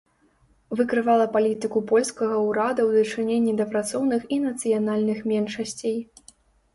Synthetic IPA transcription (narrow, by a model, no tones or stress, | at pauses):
vɨkɾɨvalˠɐpalʲit̪ɨkupɔlʲskɐɣɐwɾad̪ɐwd̪ɐt͡ʂɨnʲenʲːid̪ɐpɾat̪sɔwnɨxinɐt̪sɨjanalʲnɨxmʲɛnʂɐsʲt͡sʲej